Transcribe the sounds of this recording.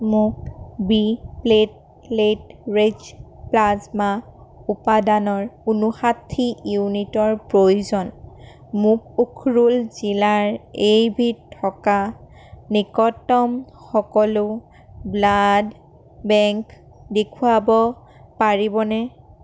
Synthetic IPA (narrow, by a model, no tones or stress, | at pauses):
mʊk̚biplet̚ | letɹed͡ʒplazmaupadanɔɹunuxat̪ʰːijunitɔɹpɹojuzɔn | mʊk̚ukʰɹulzilaɹejbʱitʰɔka | nikɔtːɔm | xɔkɔlʊ | blad | bɛŋk | dekʰuabɔ | paɹibɔnɛ